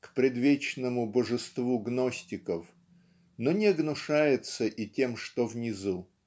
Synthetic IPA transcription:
kpɾʲɪd̪vʲet͡ɕnəmʊbəʐɨst̪vuɡnosʲtʲɪkəf | nonʲɪɐɡnʊʂajɪt̪səʔitʲe̞mʂt̪ovnʲɪzu

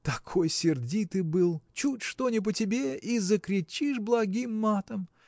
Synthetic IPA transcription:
t̪ɐkʰo̞jsʲɪrdʲit̪ɨbɨlˠt͡ɕutʲʂt̪onʲɪp̬ətʲɪbʲe̞izəkɾʲɪt͡ɕiʂblˠɐɡʲimːat̪əm

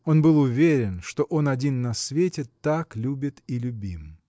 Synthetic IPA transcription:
o̞nbɨlˠʊvʲeɾʲɪnʂt̪o̞ʔo̞nɐdʲinːɐsvʲetʲɪt̪aklʲubʲɪt̪ilʲʊbʲim

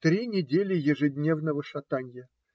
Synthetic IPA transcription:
t̪ɾʲinʲɪdʲelʲɪjɪʐɨdʲnʲe̞vnəvəʂɐt̪anʲjə

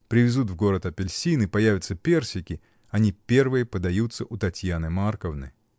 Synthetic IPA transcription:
pɾʲɪvʲɪzut̪vɡo̞ɾət̪ɐpʲɪlʲsʲinɨpɐjavʲɪt̪səpʲe̞rsʲɪkʲɪ | ɐnʲipʲe̞rvɨjəpəd̪ɐjut̪səʔʊt̪ɐtʲjanɨmarkəvnɨ̰

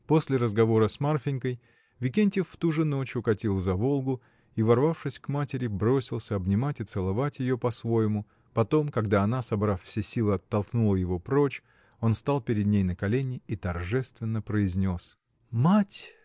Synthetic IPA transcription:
po̞sʲlʲɪɾəzɡɐvo̞ɾəsmarfʲɪnʲkəj | vʲɪkʲenʲtʲɪfːt̪uʐɨno̞t͡ɕʊkɐtʲilˠzɐvo̞lˠɡʊ | ivɐrvafʂɨsʲkmatʲɪɾʲɪbɾo̞sʲɪlˠsʲəɐbnʲɪmatʲɪt̪sɨlˠɐvatʲjɪjo̞pɐsvo̞jɪmʊ | pɐt̪o̞mkɐɡd̪aɐnasɐbɾaffsʲesʲilˠɨɐt̪ːɐlˠknulˠəjɪvo̞pɾo̞t͡ɕ | o̞nst̪alˠpʲɪɾʲɪd̪nʲejnəkɐlʲenʲɪit̪ɐrʐɛst̪vʲɪnːəpɾəɪzʲnʲo̞s | matʲ

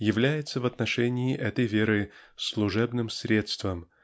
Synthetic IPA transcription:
jɪvlʲæjɪt̪səvɐt̪nɐʂɛnʲɪːʔɛt̪əjvʲeɾɨslˠʊʐɛbnɨmsɾʲe̞t̪st̪vəm

